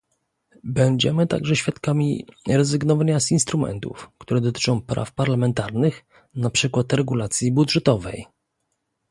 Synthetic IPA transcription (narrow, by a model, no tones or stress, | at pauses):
bɛɲd͡ʑɛ̰mɘt̪a̰ɡʐɛɕfʲjat̪kamʲḭɾɛzɘɡnɔvaɲasinst̪ɾumɛ̰nt̪ṵfkt̪uɾɛd̪ɔt̪ɘ̥t͡ʂɔ̃w̃pɾa̰fpaɾlamɛnt̪aɾnɘx | napʂɘkwat̪ɾɛɡulat̪sʲjibudʐɛt̪ɔvɛ̰j